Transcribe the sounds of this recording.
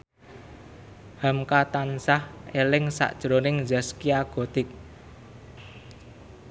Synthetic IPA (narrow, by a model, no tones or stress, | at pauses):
hamkat̪ansahelɪŋsa̰ʔd̥ʒ̥ɾonɪŋzaskiaɡ̥o̤t̪ɪk̚